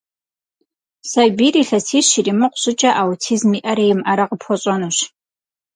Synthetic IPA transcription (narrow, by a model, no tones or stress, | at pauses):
sajbiɾiɬasʰiʃirimɨqʷʰʼɕʷʊt͡ʃʼaʔawutʰizmiʔaɾajmaɾaqʼəpʰot͡ʃʷʼonɨʃʷ